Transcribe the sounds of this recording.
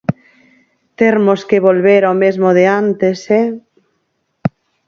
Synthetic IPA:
t̪eɾmoskeβolβeɾamezmoðeant̪esɛ

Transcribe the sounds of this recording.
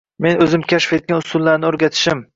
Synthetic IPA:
me̞nɵzɪmkʲʰaʃfet̪̚ɡʲanʊsʊlˠːaɾnɪɵɾɡʲat̪ʰɪ̥ʃɪm

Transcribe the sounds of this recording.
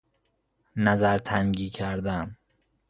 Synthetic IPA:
næzæɾt̪ʰæŋɡiːcʰæɾd̪æn

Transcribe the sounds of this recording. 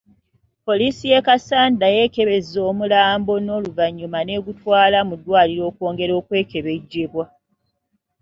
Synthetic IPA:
po̞liːsije̞kasaːndaje̞ːkeβe̞zo̞ːmulaːmbo̞no̞ːluvaɲːumane̞ɡutwaːlamudwaːliɾo̞ːkwo̞ːŋɡe̞ɾo̞ːkwe̞ːke̞βe̞ɟːeβwa

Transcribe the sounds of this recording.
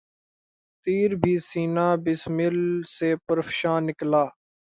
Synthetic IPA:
t̪iːɾbʱiːsiːnaːbɪsmɪlseːpəɾfʃãːnɪklaː

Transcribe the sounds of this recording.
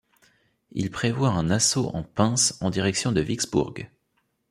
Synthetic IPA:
ḭlpχevwaɛ̃nasoʔɑ̃pɛ̃sɑ̃d̪iʁɛksjɔ̃d̪əviksbṵʁɡ

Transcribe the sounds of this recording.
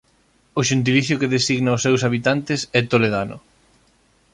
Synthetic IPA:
ʊʃent̪̬iliθjʊkeðesiɣnaʊsːɛwsaβit̪ant̪ɪsɛt̪oleðanʊ̰

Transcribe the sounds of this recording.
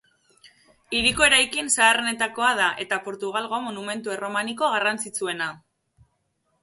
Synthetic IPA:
iɾiko̞e̞ɾajkinsaːrene̞t̪ako̞aðaʔe̞t̪apo̞ɾt̪uɣ̞alɣo̞monume̞nt̪ue̞ro̞maniko̞ɣ̞arant͡sit͡sue̞na

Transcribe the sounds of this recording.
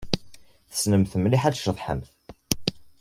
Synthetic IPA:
θə̥snəmθəmliħæʃəðˤħə̰mθ

